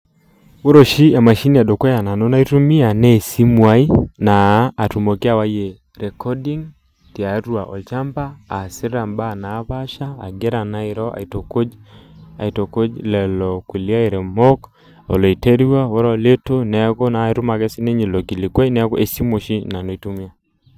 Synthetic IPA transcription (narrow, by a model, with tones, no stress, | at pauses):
wo˦ɾo˨ʃi˦ja˨ma˨ʃi˦ni˨a˨do˨kwɔ˦ja˨na˨no˦na˦i˦tu˦mi˦a˨nɛ˦˨si˦mwa˦i˦naː˨tu˨mo˨ke˦a˦˨wa˦je˨ | ɾɛ˨kɔ˦di˦ŋ | ti˨a˨˦ɾwa˨ʔɔ̰˨t͡ʃa˦mbaː˦˨si˦ɾɾa˨mba˦˨na˨˦βa˦ʃaː˦˨ɡe˦ɾa˨na˦i˨ɾɔ˦a̰˨i˨to˨ko˦d͡ʒa̰˨i˨to˨ko˦d͡ʒlɛ˨lɔ˨ku˨li˦a˦i˨ɾɛ˨mɔ˦k | ɔ̰˨lɔ˨i˨te˦ɾi˦wa˦wɔ˦ɾɔ˨le˦to˦nɛ˨˦ko˦na˨i˦ɾu˦ma˨kɛ˦si˦ne˦ɲe˨lo˨ki˨li˨kwa˦i˦nɛ˦kɔ˦ʔe˨si˦mo˨ʃi˦na˨no˨i˦tu˦mi˦a˨